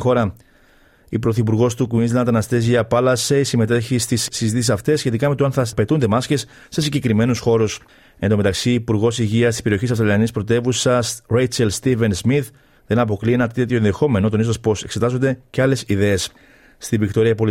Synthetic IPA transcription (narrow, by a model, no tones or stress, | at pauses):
xo̞ɾɐ | ipɾo̞θipuɾɣo̞st̪ukuinsɐnɐt̪ɐnɐst̪e̞ziɐpɐlɐse̞isime̞t̪e̞çist̪isːizit̪isisɐft̪esːçe̞t̪ikɐme̞t̪oɐnθɐpe̞t̪und̪e̞mɐsce̞sː | e̞siɲɟe̞kɾime̞nusxo̞ɾus | end̪ome̞t̪ɐksiːpuɾɣo̞siʝiɐst̪ispe̞ɾio̞çisɐfstɾɐliɐnispɾo̞t̪e̞vusɐsɾejt͡selst̪ive̞nzmiθ | ðe̞nɐp̬o̞klie̞nɐt̪et̪çoe̞nðexo̞me̞not̪o̞nizɐspo̞se̞kse̞t̪ɐzo̞nd̪eceɐle̞siðe̞es | st̪ivikt̪o̞ɾiɐpo̞l